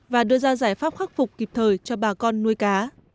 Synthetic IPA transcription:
vaː˨˩ɗɨ˧əzaː˧zaː˧˩jfaː˦˥p̚xaː˦˥k̚fʊ˨˩k͡p̚kːi˨˩p̚t̪ʰəː˨˩jt͡ɕɔ˧ɓaː˨˩kɔ˧nːu˧əjkaː˨˦

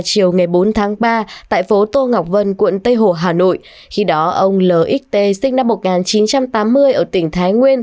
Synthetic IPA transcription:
t͡ɕi˨˩əwŋa˨˩jɓo˨˦nt̪ʰaː˨˦ŋɓaː˧t̪a̰ː˧˨jfo˨˦t̪o˧ŋa˨˩wk͡p̚və˧nkwḭ˧˨nt̪ə˧jɦo˧˩ɦaː˨˩no̰˧˨j | xi˧ɗɔ˨˦ʔə˧wŋ͡mləː˨˩ʔi˦˥k̚t̪e˧sï˧ŋ̟na˧mːo˨˩t̚ŋaː˨˩nt͡ɕi˨˦nt͡ɕa˧mt̪aː˨˦mːɨ˧əjʔəː˧˩t̪ï˧˩ŋ̟t̪ʰaː˨˦jŋwi˧ən

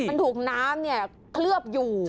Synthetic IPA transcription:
a˧nt̪ʰuː˨˩k̚naː˦˥mni˥˩ɐ | kʰlɯ˥˩əp̚juː˨˩

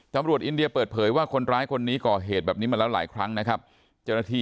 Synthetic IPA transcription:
t̪a˧˦mɾu˨˩ət̪̚ʔi˧ndi˧ɐpɤː˨˩t̪̚pʰɤː˩˦jwaː˥˩kʰo˧nɾaː˦˥jkʰo˧nːiː˦˥kɔː˨˩ɦeː˨˩t̪̚bɛː˨˩p̚niː˦˥ma˧lɛː˦˥wla̰ː˩˦jkʰɾa˦˥ŋna˦˥kʰa˦˥p̚ | t͡ɕaː˥˩wna˧˥t̪ʰiː˧˩

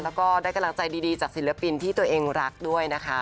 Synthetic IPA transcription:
lɛː˦˥wkɔː˥˩daː˥˩jka˧mla˧˦ŋt͡ɕa˧jdiː˧diː˧t͡ɕaː˨˩k̚si˨˩˦lɯ˩˦pi˧nt̪ʰiː˥˩t̪u˧ɐʔeː˧ŋɾa˦˥k̚du˥˩əjna˦˥kʰa˦˥

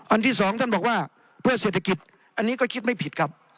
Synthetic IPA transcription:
ʔa˧nt̪ʰiː˥˩sɔː˨˩˦ŋt̪a˥˩nbɔː˨˩k̚waː˥˩ | pʰɯ˥˩seː˨˩t̪ʰːa˧ki˨˩t̪̚ | ʔa˧nːiː˦˥kɔː˥˩kʰi˦˥t̪̚ma˥˩jpʰi˨˩t̪̚kʰa˦˥p̚

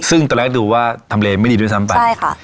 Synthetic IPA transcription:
sɯ˥˩ŋt̪u˧lɛː˦˥˩d̪uː˧˩waː˥˩t̪ʰa˧mleː˧ma˥˩˨diː˧˦˥sa˦˥mpa˧ajjka˥˩

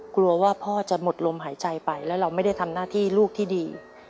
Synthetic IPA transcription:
klu˧ɐwaː˥˩pʰɔː˥˩t͡ɕa˨˩mo˨˩t̪̚lo˧mɦaː˩˦jt͡ɕa˧jpa˧jlɛː˦˥wɾa˧wma˥˩jda˥˩jt̪ʰa˧mnaː˥˩t̪ʰiː˥˩luː˥˩k̚t̪ʰiː˥˩diː˧

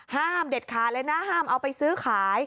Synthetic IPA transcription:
haː˥˩mde˨˩t̪̚kʰaː˩˦lɛ˦˧˥naː˦˥˩ɦaː˥˩mʔa˧wpa˧jsɯː˦˥kʰaː˩˦j

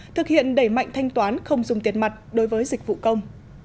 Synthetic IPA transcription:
t̪ʰɨ˨˩k̚hḭ˧˨ənɗe˧˩ma̰˧˨jŋ̟t̪ʰa˧jŋ̟t̪waː˨˦nxə˧wŋ͡mzʊ˨˩ŋ͡mt̪i˨˦ən̚ma˨˩t̚ɗo˨˦jvəː˨˦jzi˨˩k̚vṵ˧˨kə˧wŋ͡m

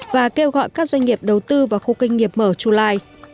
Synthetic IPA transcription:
vaː˨˩ke˧wɣɔ̰˧˨jkaː˦˥k̚zwa˧ŋ̟ŋi˨˩əp̚ɗə˨˩wt̪ɨ˧vaː˨˩xo˧ka˧jŋ̟ŋi˨˩əp̚məː˧˩t͡ɕu˧laː˧j

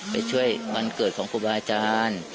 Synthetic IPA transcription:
pa̰˧˩jt͡ɕʰu˥˩əjma˧nkɤː˨˩t̪̚kʰɔː˩˦ŋkʰuː˧˩baː˧a˧t͡ɕaː˧n

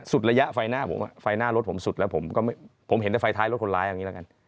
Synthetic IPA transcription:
su˨˩t̪̚ɾa˧ja˦˥ʔfa˧jnaː˥˩pʰo̰˩˦mʔa̰˨˩fa˧jnaː˥˩lo˦˥t̪̚pʰo˩˦msu˨˩t̪̚lɛː˦˥wpʰo˩˦mkɔː˥˩ma˥˩jpʰo˩˦mhe˨˦t̪a˧˥˩fa˧jt̪ʰaː˦˥jlo˦˥t̚ʰnlaː˦˥jʔa˨˧˩ŋiː˦˥la˧˥˧ka˧n

